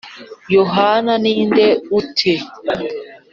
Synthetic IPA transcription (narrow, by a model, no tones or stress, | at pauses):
joɦananindeutʰe